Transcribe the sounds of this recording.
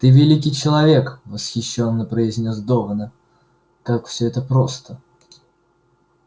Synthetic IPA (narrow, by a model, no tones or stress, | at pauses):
t̪ɨvʲɪlʲik̬ʲɪjt͡ɕɪlˠɐvʲe̞kvəsxʲɪɕːo̞nːəpɾəɪzʲnʲo̞sd̪ovənə | kakfsʲɵɛt̪əpɾost̪ə